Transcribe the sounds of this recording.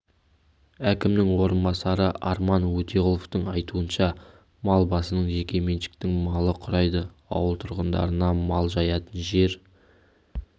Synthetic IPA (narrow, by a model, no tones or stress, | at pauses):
ækʲɪmnɪŋwo̞ɾənbɑsɑɾəʔɑɾmɑnwɵt̪e̞ʁʊlˠoft̪əɴɑjt̪uənʃɑ | mɑlˠbɑsənəɴʒe̞kʲe̞me̞nʃɪ̥kt̪ɪŋmɑlˠəqʰʊɾɑjd̪ə | ɑ̰wəlˠt̪ʰʊɾʁənd̪ɑ̰ɾənɑmɑlˠʒɑjɑt̪ənʒe̞ɾ